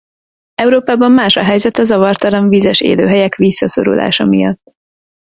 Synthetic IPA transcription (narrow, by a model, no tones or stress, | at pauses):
ɛuɾoːpaːbɒmːaːʃɒɦɛjzɛt̪ɒzɒvɒrt̪ɒlɒɱviːzɛʃḛːlø̰ːɦɛjɛkʋisːɒso̞̰ɾṵla̰ːʃɒmijɒt̪ː